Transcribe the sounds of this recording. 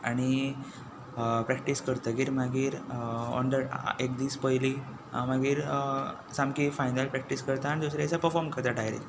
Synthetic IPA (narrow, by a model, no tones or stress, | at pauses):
aɽ̃i | pɾɛk̚ʈiskəɾt̪əɡiːɾmaɡiːɾɔ̰ɳɖəɾekd̪iːspəjli | maɡiːɾ | samkifajnəlpɾɛk̚ʈiskəɾt̪aaɽ̃id̪usɾasapəɾfɔɾmkəɾt̪aʈaɦjɾḛ